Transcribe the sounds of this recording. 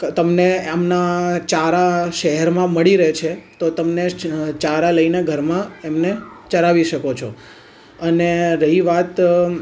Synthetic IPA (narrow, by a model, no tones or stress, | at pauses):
t̪əmneamnat͡ʃaɾaʃəɦɛɾmãməɭiɾəɦet͡ʃʰet̪ot̪əmnet͡ʃaɾaləineɡʱəɾmãemnet͡ʃəɾaʋiʃəkot͡ʃʰo | əneɾəɦiʋat̪